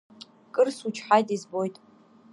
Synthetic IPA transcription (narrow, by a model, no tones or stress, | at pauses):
kʼɨrsut͡ʃʰħajtʼizbo̞jtʼ